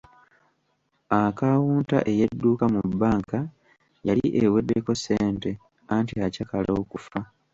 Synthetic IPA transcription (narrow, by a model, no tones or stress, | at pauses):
akawuːnta̰ʔe̞jedːuːkamubːaːŋka | jaliʔewedːeko̞se̞ːnte̞ | antiacakalo̞ːkufa